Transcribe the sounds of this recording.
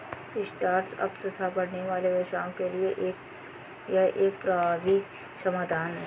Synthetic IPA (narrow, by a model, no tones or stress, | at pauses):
kisʈaːɾʈsɐ̰pt̪ɐt̪ʰabɐɽ̤neʋaːleʋeʃaːõkelieʔeːk̚ | jɐʔeːk̚pɾaʋi | sɐmaːd̪aːnɦɛː